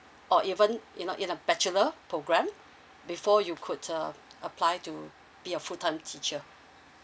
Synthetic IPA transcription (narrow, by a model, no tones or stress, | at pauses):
ʔɔʔivə̃nʔinoʔĩnəbɛt͡ʃuləpʰɹoɡɹɛ̃m | bifɔjukʰudəʔəpʰlaɪtu | b̥iəfutʰãɪ̃mtʰit͡ʃə